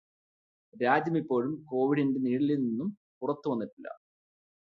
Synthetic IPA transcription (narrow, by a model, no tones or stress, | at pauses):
ɾaːd͡ʑjɐmipːo̞ːɻumko̞ːʋiɽinde̞niːɽilininːum | purɐt̪ːuʋɐnːiʈːilːɐ̰